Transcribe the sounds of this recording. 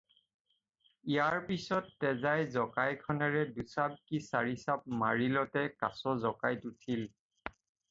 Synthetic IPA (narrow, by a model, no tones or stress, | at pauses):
ijaɹpisɔtːɛzajzɔkajkʰɔnɛɹɛdusab̚kisaɹisap̚maɹilɔtɛka̰sɔzɔkajtutʰil